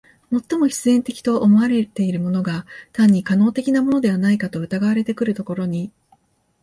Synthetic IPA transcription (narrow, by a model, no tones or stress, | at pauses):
mo̞t̪ːo̞mo̞çi̥t͡sɨẽ̞nt̪e̞kʲi̥t̪o̞ʔːmo̞βaɾe̞t̪e̞iɾɯ̟mo̞no̞ɡat̪ãɲ̟ːikano̞ːt̪e̞kʲinamo̞no̞d̪e̞β̞anaikat̪o̞ɯ̟t̪aɡaβaɾe̞t̪e̞kɯ̟ɾɯ̟t̪o̞ko̞ɾo̞ɲ̟i